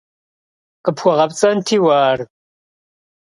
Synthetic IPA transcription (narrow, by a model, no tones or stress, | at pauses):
qəpxʷɔʁɐpt͡sʼɐntʰiːwaːr